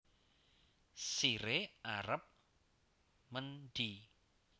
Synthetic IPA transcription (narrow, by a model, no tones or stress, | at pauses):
siɾeʔaɾəp̚ | mənɖ̪̥i